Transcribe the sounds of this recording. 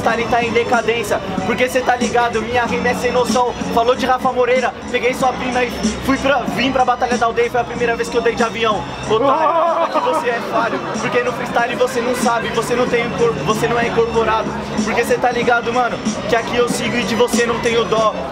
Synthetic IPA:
st̪aɾẽj̃t̪aẽj̃d̪ekad̪ẽsjɐ | poɾkeset̪aliɡad̪ʊmĩɲɐɦemɛsɐẽnosɐ̃w̃falod͡ʒɪɦafamoɾejɾɐpeɡejsɔpĩnɐifujpɾɐvĩpɾɐbat̪aʎɐd̪awd̪ejɐfojɐpɾimejɾɐveskɪewd̪ejd͡ʒɪavĩɐ̃w̃ | ot̪aɐkɪvoseɛfalʊpoɾkenʊ̃fɾist̪aɾɪvosenɐ̃w̃sabɪvosenɐ̃w̃t̪ẽj̃ʊ̃koɾpʊvosenɐ̃w̃ɛĩkoɾpoɾad̪ʊ | poɾkeset̪aliɡad̪ʊmɐ̃nʊkɪakiewsiɡʊɪkɪvosenɐ̃w̃t̪ẽj̃ʊd̪ɔ

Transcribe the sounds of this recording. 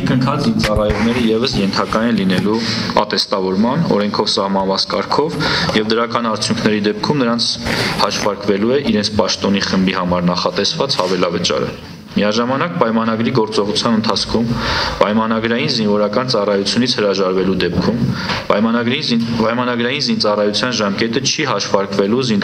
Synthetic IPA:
kəŋkʰɑt͡sint͡sɑrɑjɔʁnɛɾəjɛvəsjɛnt̪ʰɑkɑjɛnlinɛluɑ̰t̪ɛst̪ɑvɔɾmɑnɔ̰ɾɛŋkʰɔvsɑhmɑnvɑt͡sʰkɑɾkʰɔvjɛvd̪əɾɑkɑnɑɾt͡sʰjuŋkʰnɛɾid̪ɛp̚kʰumnəɾɑnt͡sʰhɑʃvɑɾkvɛluɛʔiɾɛnt͡sʰpɑʃt̪ɔniχəmbihɑmɑɾnɑχɑt̪ɛsvɑt͡shɑvɛlɑvət͡ʃɑ̰ɾə̰ | miɑʒɑmɑnɑk̚pɑjmɑnɑɡɾiɡɔɾt͡sɔʁut͡sʰjɑnənt̪ʰɑt͡sʰkʰumpɑjmɑnɑɡɾɑjinzinvɔɾɑkɑnt͡sɑrɑjut͡sʰjunit͡sʰhəɾɑʒɑɾvɛlud̪ɛp̚kʰumpɑjmɑnɡɾpɑjmɑnɑɡɾɑjinzint͡sɑrɑjut͡sʰjɑnʒɑmkɛt̪ət͡ʃʰiɦɑʃvɑɾkvɛluzin

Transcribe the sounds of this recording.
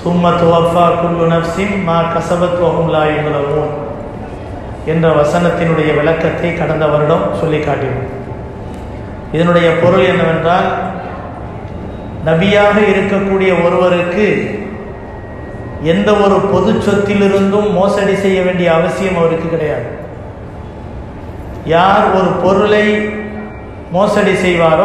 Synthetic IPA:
sʊmːɐt̪ɔɐfaːkʊlːʊnɐfsɪmmaːkɐsɐbɐt̪ʋɐɣɯmlaːjɛnɐlɐʋoːm | ɛndrɐʋɐsɐnɐt̪ːɪnɯɽɐjɐʋɪɭɐkːɐt̪ːɐɪkɐɽɐnd̪ɐʋɐɾɪɽɐmsɔlːɪkːaːʈːɪʋɯ | ɪðɐnɯɽɐjɐpɔɾɯlɛnːɐʋɛndraːl | nɐbɪjaːɣɐɪɾɯkːɐkːuːɽɪjɐɔɾɯʋɐɾɯkːɯ | ɛnd̪ɐɔɾɯpɔðɯt͡ʃːɔt̪ːɪlɪɾɯnd̪ɡ̪ɯmːoːsɐɽisɛjːɐʋeːɳɖɪjɐːʋɐsɪjɐmɐʋɐɾɯkːɯkːɪɽɐjaːðɯ | jaːɾɔɾɯpɔɾɯɭɐɪ | moːsɐɽisɛjʋaːɾɯ

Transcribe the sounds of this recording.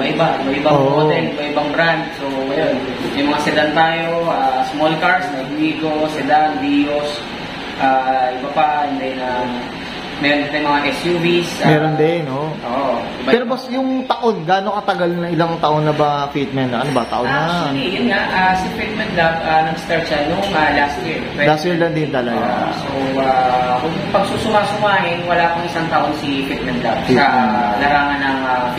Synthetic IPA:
mɐʔɪbamɐɪbaoʔd̪ɛnɪbɐʔɪbɐŋbɾand̪̚soɐjon | mɛjmɐŋasɛd̪ant̪aːjoʔasmolkaɹsmɐɡwiːɡosɛd̪anb̪iːjos | ʔaːʔɪbɐpahɛnd̪ɛnɐ | mɛɾont̪ajʊmɐŋakɛsjuːvismɛːɾond̪ɛnoʔoːʔoʔɪbapɛːɾobɐsjʊŋt̪ɐʔonɡaːnokɐt̪ɐɡalnɐŋɪlaŋt̪ɐʔonːɐbɐfit̪̚mɛnʔɐnobɐt̪ɐ̰ʔonnːɐad̪ijʊnŋaʔasɐfit̪̚mɛnt̪̚lab̚anɐɡst̪ɛɹt͡ʃɐlːʊŋalast̪jiɹlast̪jiɹlɐnd̪ɪnt̪ɐlɐɡaa̰sowawɐɡ̚ŋpɐɡ̚suːsʊmaːsʊmaːɦɪnwɐlaːpɐŋʔɪsaŋt̪ɐʔonsifit̪̚mɛn̚lab̚iɐlɐɾaːmɐnɐŋa

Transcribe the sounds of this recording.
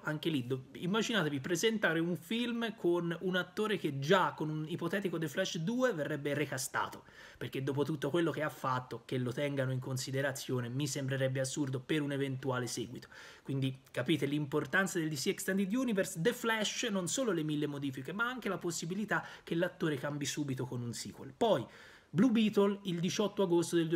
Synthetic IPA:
aŋk̟elid̪oimːad͡ʒinaːt̪evipɾezent̪aːɾeuɱfilmkʰonunat̪ːoːɾek̟ed͡ʒakːonunipot̪ɛːt̪ikod̪eflɛʃd̪uːeverːɛbːerekast̪a̰ːt̪o | perked̪ːoːp̬ot̪ut̪ːokwelːok̟eafːat̪ːok̟elːot̪ɛŋɡanoiŋkonsid̪eɾat̪sːjoːnemisembɾeɾɛbːeasːurd̪opeɾunevent̪uaːlesɛːɡwit̪o̥ | kwind̪ikapiːt̪elimport̪ant̪sad̪elːisɛkst̪and̪id̪juːniversd̪eflɛʃnonsoːlolemilːemod̪iːfikemaaŋk̟elaposːibilit̪ak̟ːelːat̪ːoːɾekambisuːbit̪okonunsḭːkwḛlpɔj | blubiːt̪olild̪it͡ʃɔt̪ːoaɡost̪od̪elː

